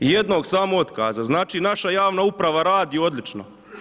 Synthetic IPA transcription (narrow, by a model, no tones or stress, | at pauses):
jed̪no̞ːɡsaːmoot̪ka̰ːzaznaːt͡ʃinaʃajaːʋnaupɾaʋaɾaːd̪io̞d̪lit͡ʃno̰